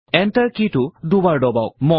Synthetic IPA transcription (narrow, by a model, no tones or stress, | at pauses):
ɛntəɹkitʊdubaɹdɔbawmɔ